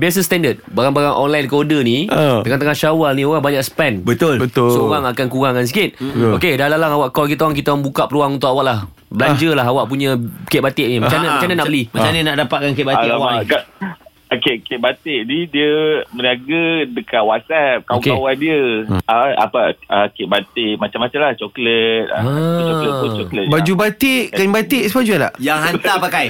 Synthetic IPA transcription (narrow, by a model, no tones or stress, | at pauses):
bes̬əst̪ɛndət̪̚baɣaŋbaɣaŋʔɔ̰nlajnkodənĩəŋat̪əŋahʃawalnĩoɣaŋbaɲaʔsə̥pɛnbət̪olbət̪osoɣaŋakankuɣaŋans̬ikɪt̪̚okedalalaŋawaʔkɔlk̬it̪awaŋk̬it̪awaŋbukaʔpəɾuaŋunt̪ʊʔawaʔlah | bəlaɲd͡ʒəlaɦawaʔpuɲãket̪̚bat̪ɪʔnimt͡ʃanəmət͡ʃanənaʔabəlihmat͡ʃaninaʔdapat̪̚kanket̪̚baaaaka | akeʔket̪̚bat̪eʔdidiəməniaɡədəkaʔwasɛp̚kawkeawadiəaa̰paakeʔbat̪eʔmat͡ʃamat͡ʃamlaht͡ʃɔklət̪̚aa | t͡ʃɔklət̚bad͡ʒubat̪eʔkanbat̪eʔsəbad͡ʒuala̰ʔjaŋɦant̪apakaj